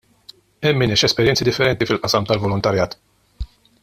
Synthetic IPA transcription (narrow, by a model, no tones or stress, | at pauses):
ɛmːɪnɛʃɛspɛɾjɛnt͡sːid̪ɪfːɛɾɛnt̪ifɪlʔɐsɐmt̪ɐlvɔlʊnt̪ɐɾjɐːt̪